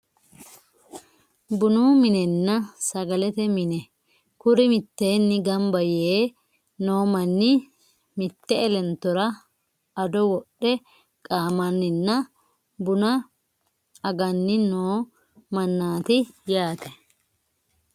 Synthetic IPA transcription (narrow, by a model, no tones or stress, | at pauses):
bʊnuːmɪnɛnːɐsɐɡɐlɛt̪ɛmɪnɛ | kʊɾɪmɪt̪ːeːnːɪɡɐmbɐjeː | no̞ːmɐnːɪ | mɪt̪ːɛɛlɛnt̪ːɔɾɐ | ɐd̪ɔwɔɗːɛ | kʼaːmɐnːɪnːɐ | bʊnɐ | ɐɡɐnːɪnoː | mɐnːaːt̪ɪjaːt̪ʰɛ̥